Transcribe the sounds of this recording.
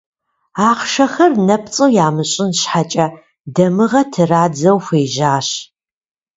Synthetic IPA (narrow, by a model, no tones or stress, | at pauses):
aːqʃɐxɐrnɐpt͡sʼɨwjaːmɨɕʼɪnɕħat͡ʃʼɐ | dɐmɨʁɐtʰɨraːd͡zɐwxeːʒaːɕ